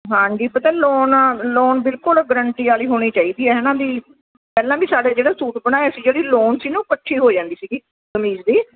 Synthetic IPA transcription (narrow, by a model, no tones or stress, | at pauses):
ɦãːɲd͡ʒiːpət̪ɛːloːnloːnbɪlkʊlɡəɾəɳʈiːaːliːɦoːɽ̃iːt͡ʃaːiːd̪iːɛːɦɛːnãːbiː | pɛːlãːbiːsaːɽeːd͡ʒeːɽaːsuːʈbəɽ̃aːjesiːd͡ʒeːɽiːloːnsiːnũːpəʈʰʃiːɦoːd͡ʒãːnd̪iːsiːɡiː | kəmiːd͡ʒd̪iː